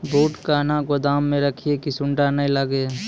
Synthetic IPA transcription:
bʱoːʈkaːnãkod̪aːmːẽɾəkʰiekisʊɳɖanəĩləɡe

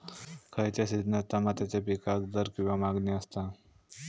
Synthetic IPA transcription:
kʰəjt̪jasid̪nət̪amat̪jat͡ɕapikakd̪əɾkĩw̃ʋamaɡneəst̪a

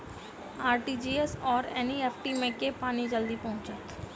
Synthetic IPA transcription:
aːɾʈiːd͡ʒiːɛsɔːɾɛ̰ːniɛːpʰʈimẽkepaːnid͡ʒəld̪ipɔ̃ɦʊ̃t͡ʃət̪

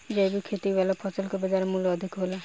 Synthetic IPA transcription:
d͡ʒebikʰet̪iʋalapʰɔsəlkebəd͡ʒaɾmulɔd̪ʱikɦola

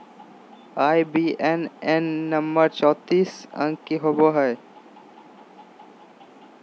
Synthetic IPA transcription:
aːibiːʔenenːəmbəɾt͡ʃɔːt̪iːsə̰̃ŋɡkiɦoːboɦɛe

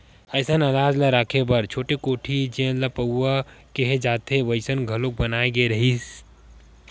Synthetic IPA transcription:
ɐɪsənɐlaːd͡ʒlaɾaːkʰebɐɾt͡ʃʰoːʈekoːʈʰid͡ʒə̃lapəa | keɦed͡ʒaːt̪ʰeʋəɪsənɡʱɐlok̚bɐnaːeɡeɾɐɦis

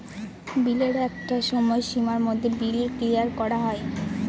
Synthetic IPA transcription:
bileɾɛk̚ʈaʃɔmɔeʃimaɾmod̪ʱːebileɾkɾijaɾkɔɾaɦɔe

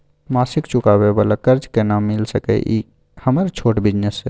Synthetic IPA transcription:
masikt͡ʃukabebələkəɾd͡ʒkenamːilsəkɛ̰ʔi | həməɾt͡ʃʰoʈbid͡ʒnesḛ

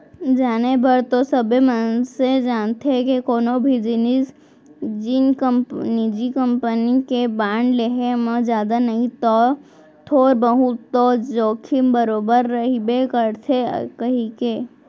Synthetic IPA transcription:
d͡ʒaːnebəɾt̪osəbemənsed͡ʒaːnt̪ʰeekekoːnobʱid͡ʒɪnɪs | d͡ʒɪnkənid͡ʒikəmpənikebaːɳɖleɦemə̃d͡ʒjaːd̪anɐɦĩt̪ɔː | t̪ʰoːɾbəɦut̪ːod͡ʒoːkʰimbəɾoːbəɾːəɦibekəɾt̪ʰekəɦike

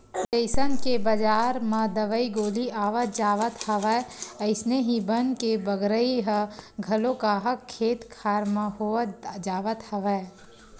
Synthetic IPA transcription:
d͡ʒəɪsənkebəd͡ʒaːɾmɐ̃d̪əʋəiɡoːliaːʋət̪d͡ʒaːʋət̪hɐʋəeəɪsneɦibənkebəɡɾəiɦəɡʱɐlokaːɦəkʰːeːt̪kʰaːɾmãɦoəd͡ʒaːʋət̪həʋəe

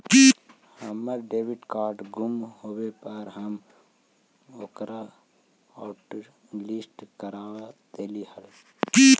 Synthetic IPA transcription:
ki | həməɾɖeːʋiɖkaːɾʈɡʱumhoːwepəɾɦəm | oːkɾa | aːʈlisʈkəɾaːʋad̪eːlihəli

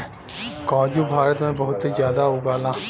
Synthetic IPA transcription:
kaːd͡ʒuːbʱaːɾət̪mẽbəɦʊt̪izjaːd̪aːɦʊːɡaːlãː

